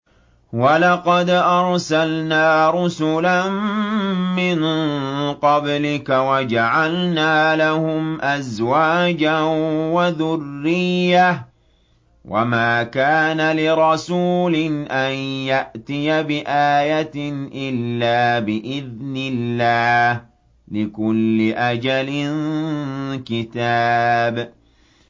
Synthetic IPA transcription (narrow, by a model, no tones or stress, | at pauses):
walɑqɑd̪ʔɑɾˤsalnaːɾˤʊsʊlan | mɪn | qɑblɪkawad͡ʒaʕalnaːlahʊmʔazwaːd͡ʒawaðʊrːɪjːa | wʔa̰maːkaːnalɪɾˤɑsuːlɪnʔanjaʔt̪ɪjabɪʔaːjat̪nʔɪlːaːbɪʔɪðnɪllːaːh | lɪkʊlːɪʔad͡ʒalɪn | kɪt̪aːb